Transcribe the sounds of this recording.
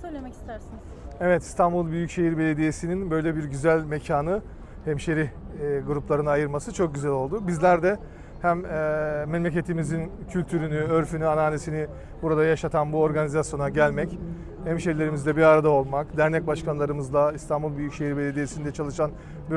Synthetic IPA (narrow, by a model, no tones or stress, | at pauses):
søjlʲemɛci̥st̪æɾsin | evɛt̪ʰi̥st̪ʰanbulˠbyjycʃe̞jiɾbe̞lʲe̞d̪ijesininbø̞jlʲɛbiɾɟyzælʲme̞cʰaːnɯ | hɛmʃeɾi | ɡuɾuplˠaɾɯnajɯɾmasɯt͡ʃʰo̞k̚ɟyzælʲo̞lˠd̪ubizlʲæɾd̪ɛ | hæmː | enʲmec̬e̞t̪ʰimizincʰylʲt̪ʰyɾynyøɾfynyanaːnesini | buɾad̪ajaʃat̪ʰanbuo̞ɾɡanizasjo̞naɟælʲmɛc | hɛmʃeɾlʲe̞ɾimizd̪ɛbiɾaɾad̪ao̞lˠmakd̪æɾnɛc̚baʃkʰanlˠaɾɯmɯzlˠaist̪ʰanbulˠbyjycʃejiɾbelʲe̞d̪ijesind̪ɛt͡ʃʰalˠɯʃan | bi